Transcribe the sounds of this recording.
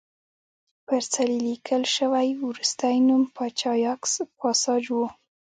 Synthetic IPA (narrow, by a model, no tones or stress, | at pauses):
pəɾt͡salilikʰəlʃəwajwɾust̪ajnumpʰɑt͡ʃɑjɑkspɑsɑd͡ʒwu